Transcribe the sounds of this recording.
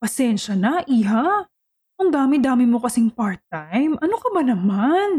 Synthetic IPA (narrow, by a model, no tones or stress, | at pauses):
pɐsɛnʃɐnɐʔiːɦa | kʊŋd̪aːmɪd̪aːmɪmo̞kɐsɪŋpaɹt̪ːajmʔɐnokɐbɐnɐman